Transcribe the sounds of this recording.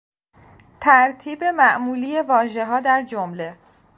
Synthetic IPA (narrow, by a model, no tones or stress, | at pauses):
t̪ʰæɾt̪ʰiːbe̞mæʔmuːliːje̞vɒːʒe̞ɦɒːd̪æɾd͡ʒomle̞